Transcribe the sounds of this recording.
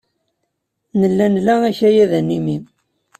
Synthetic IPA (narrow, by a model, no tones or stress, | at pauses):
nəlːænlææçæjæðænːimi